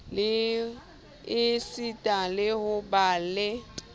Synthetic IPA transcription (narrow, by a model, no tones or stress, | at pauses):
ɪsitʼalɪhʊbaːlɛ